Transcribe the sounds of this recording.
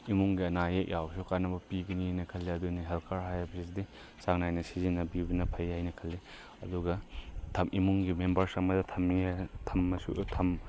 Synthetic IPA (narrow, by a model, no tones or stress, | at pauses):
imuŋɡiɐnajek̚jʔawsukanɐbɐpiɡɐninɐkʰɐlːiɐdunɐɦelkʰaɾɦajabsis̬di | saŋnajnɐsizinɐbibɐnɐpʰɐjajnɐkʰɐlːi | ɐduɡɐtʰɐmʔimuŋɡimembɐɾsɐŋmɐdɐtʰɐmitʰɐmːɐsṵtʰɐm